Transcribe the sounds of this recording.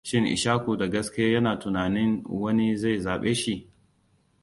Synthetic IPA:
ʃɪ˦ŋʔɪ̰˨ʃaː˦kʷuː˨da˨ɡɐ˦skʲɪ˦jaː˦jɐ˦naː˨tʊ˨naː˨nɪ˦nwɐ˦ni˦za˦˨jzaː˨ɓeː˦ʃi˨ʔ

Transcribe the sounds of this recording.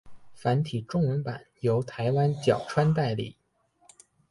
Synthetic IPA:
fa˧˥nt̪ʰi˨˩ʈ͡ʂʊ˥˩ŋwə˧˥npa˨˩˦njo˧˥ʊt̪ʰa˧˥ɪwa˥nt͡ɕjɑ˨˩ʊʈ͡ʂʰwa˥nt̪a˥˧ɪlḭ˥˩

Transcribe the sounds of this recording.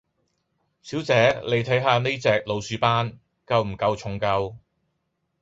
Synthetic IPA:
siː˨˥wt͡sɛː˨˥le˨˧jt̪ʰɐ˨˥jɦaː˧ne˥jt͡sɛː˨k̚lo˨˧wsyː˨˧paː˥n | kɐ˧wm̩˨˩kɐ˧wt͡sʰʊ˨ŋkɐ˧w

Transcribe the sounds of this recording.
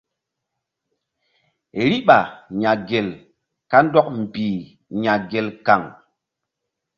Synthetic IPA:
ɾi˦ɓa˨ɲa˨ɡe˨l | ka˦ndɔ˦k̚m̩˨biː˨ | ɲa˨ɡe˨lka˨ŋ

